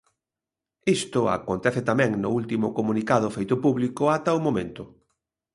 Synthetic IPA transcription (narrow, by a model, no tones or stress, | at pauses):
ist̪ʊa̰kont̪ɛθɪt̪amɛ̃ŋnʊult̪imʊkomunikaðʊfejt̪ʊpuβlikʊat̪aʊmomẽnt̪ʊ